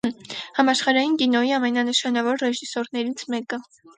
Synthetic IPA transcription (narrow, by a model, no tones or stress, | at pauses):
hɑmɑʃχɑɾɑjinkinɔjiɑmɛnɑnəʃɑnɑvɔɾrɛʒisɔɾnɛɾit͡sʰmɛkə